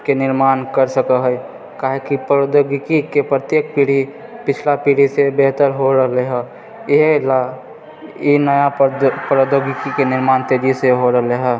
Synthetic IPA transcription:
kenɪɾmaːnkəɾsəkəɦəi | kaːɦekipod̪oɡɪkikepɾət̪jeːk̚piːɽ̤i | pɪt͡ʃʰlapiːɽ̤isebɛɦt̪əɾɦoɾəɦleɦɛː | ɪɦla | jenəjapɾod̪oːɡɪkikenɪɾmaːnt̪eːd͡ʒiseɦoɾəɦleɦɛː

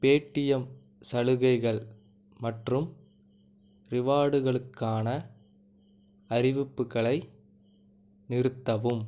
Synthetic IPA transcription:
peːʈːɪjɐm | sɐɻɯɣɐɪɣɐɭ | mɐʈrɯm | ɾɪʋaːɽɯɣɐɭɯkːaːnɐ | ɐɾɪʋɪpːɯɣɐɭɐɪ | nɪɾɯt̪ːɐʋɯm

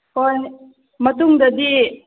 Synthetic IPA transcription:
kon | mɐtuŋdɐdi

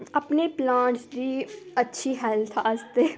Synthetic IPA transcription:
ɐpneplãːɳʈsd̪iːətːʃʰiɦɛlt̪ʰast̪e

